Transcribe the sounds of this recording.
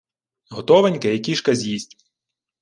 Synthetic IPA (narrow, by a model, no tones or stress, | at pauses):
ɦɔt̪ɔʋenʲkejɐkʲiʃkɐzʲjisʲtʲ